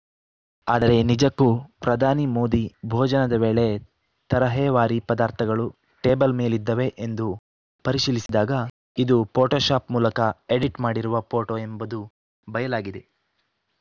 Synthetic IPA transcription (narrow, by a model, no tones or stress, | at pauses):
aːd̪ɐɾe̞nid͡ʒɐkːupɾɐd̪ʱaːnimoːd̪ibʱoːd͡ʒɐnɐd̪ɐʋeːɭe̞ | t̪ɐɾɐɦɛːʋaːɾipɐd̪aːɾt̪ʰɐɡɐɭu | ʈe̞ːbɐlmeːlid̪ːɐʋe̞ʔend̪u | pɐɾiʃilisid̪aːɡɐ | id̪upoːʈoːʃaːpmuːlɐkɐeɽiʈmaːɽiɾuʋɐpʰoːʈoːe̞mbɐd̪u | bɐjɐlaːɡid̪e̞